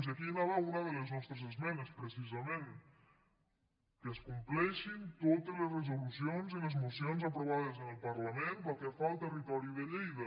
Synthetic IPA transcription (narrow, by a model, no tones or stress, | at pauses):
nsakinaβaunaðələznɔst̪ɾəzəzmɛnespɾesizamẽn | kəskumplɛʃint̪ot̪əzlezrezulusjonzilezmusjonzapɾoβaðəzənəlˠpɐɾlɐmenbalkefalˠt̪ərit̪ɔɾiuðəʎejðə